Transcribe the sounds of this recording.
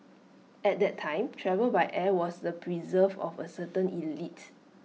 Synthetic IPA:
ɛt̚dɛtʰːãɪ̃mtʰɹɛvəlbajʔɛwɔsdəpʰɹizəvɔ̰fəsətə̃nilit

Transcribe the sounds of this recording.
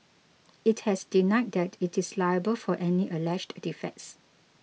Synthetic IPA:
it̚hɛsdinaɪt̚dɛtʰitislaɪəbəlfɔʔɛniʔəlɛd͡ʒddifɛ̰ks

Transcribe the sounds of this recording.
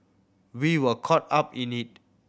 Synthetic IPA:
wiwəkʰɔt̚apĩnit̚

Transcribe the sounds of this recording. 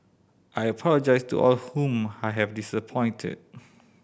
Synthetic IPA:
ʔajəpʰɔləd͡ʒaɪstṵʔɔlhũmajɦɛvdisəpʰɔ̃ɪ̃ntʰɪ̰d̚

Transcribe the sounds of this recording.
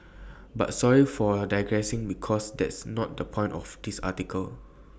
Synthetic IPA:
ba̰tsɔɹifɔdaɪɡɹɛsĩŋbikʰɔsdɛ̰tsnɔt̚dəpʰɔ̃ɪ̃ntɔfdisa̰tikʰəl

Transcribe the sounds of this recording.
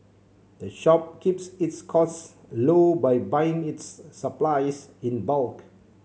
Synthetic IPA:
d̥əʃɔp̚kipsitskʰɔs | lobajbajɪ̃ŋitsːəplaɪsĩnbalk

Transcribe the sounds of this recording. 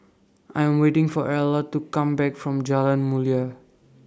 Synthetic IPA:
ʔãjɛ̃mwetɪ̃ŋfɔɹɛlɔttːukãmbɛkfɹɔ̃md͡ʒalãnmulia

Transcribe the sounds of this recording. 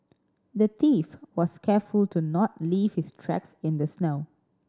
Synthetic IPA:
d̪ət̪ifwɔskʰɛfultunɔt̚liːv̥hɪstʰɹɛ̰ksɪ̃nd̪əsnoʊ

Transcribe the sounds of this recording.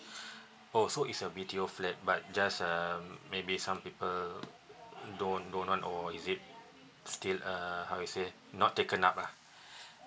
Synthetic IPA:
osoitsəbitioflɛt̚bat̚d͡ʒasəmːebisãmpipəl | dõndõnʔwãnɔisit̚ | stiləhawjuse | nɔtːekə̃napa

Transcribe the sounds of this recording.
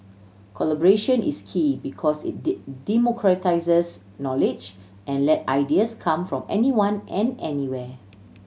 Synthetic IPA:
kʰɔlabɔɹeʃə̃nʔḭskʰibikʰɔsḭt̚dimɔkʰɹataɪsəs | nɔlɪd͡ʒ | ʔɛ̃nlɛta̰jdiəskʰãmfɹɔ̃mɛniwãnɛ̃nɛniwɛ

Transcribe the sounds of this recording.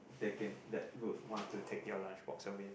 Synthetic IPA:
dekɛ̃ndɛt̚ɹufwɔ̃ntːutʰek̚jɔlãnt͡ʃbɔ̰k̚səmĩn

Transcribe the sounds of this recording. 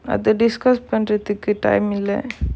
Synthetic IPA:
ɐ̰ðɯɖɪskɐspɐɳɾɐðɯkːɯʈɐ̰ɪmɪlːɛ̰

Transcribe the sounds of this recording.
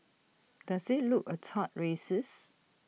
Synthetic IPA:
d̥asɪt̚lukətʰat̚ɹesəs

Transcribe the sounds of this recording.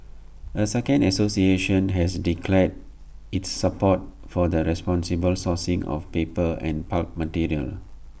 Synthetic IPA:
əsɛkə̃ndəsosieʃə̃nɦɛsdikʰlɛd | itsːəpɔt̚ | fɔdəɹɛspɔ̃nsibəlsɔsĩŋɔ̰fpepəɛ̰̃npat̚mətiɹiə̰l

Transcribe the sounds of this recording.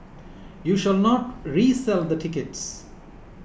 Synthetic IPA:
juːʃalnɔʈɾiːsɛld̪əʈʰɪkeʈs

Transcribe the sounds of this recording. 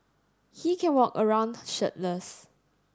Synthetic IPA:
hikʰɛ̃nwɔkəɹãʊ̃ndʃət̚ləs

